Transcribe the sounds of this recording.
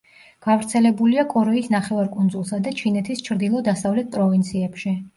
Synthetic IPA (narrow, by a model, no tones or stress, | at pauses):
ɡ̥avɾt̪sʰɛlɛbuliakʼɔɾɛisnaχɛvaɾkʼund̪zulˠsad̪at͡ʃʰinɛt̪ʰist͡ʃʰɾd̪ilˠɔd̪asavlɛt̪̚ʰpʼɾɔvint̪sʰiɛpʃi